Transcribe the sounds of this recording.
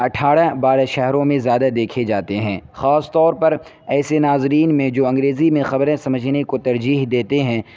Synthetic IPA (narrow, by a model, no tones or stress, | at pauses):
ɐʈʰaːɽabaːɾaʃɛɦɾõmẽzjaːd̪ad̪eːkʰed͡ʒaːt̪eɦɛ̃ːxaːst̪ɔːɾpɐɾ | ɛːsenaːzɾiːnmẽd͡ʒoːɐ̃ŋɡɾeːzimẽxɐbɾẽsɐməd͡ʒʱnekot̪ɐɾd͡ʒiːɦd̪eːt̪eɦɛ̃